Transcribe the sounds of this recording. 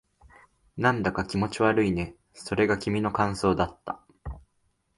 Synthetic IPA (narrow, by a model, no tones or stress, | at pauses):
nãnd̪akakʲimo̞t͡ɕiβaɾɯ̟ine̞ | so̞ɾe̞ɡakʲimʲino̞kãɰ̃so̞ːd̪at̪ːa̰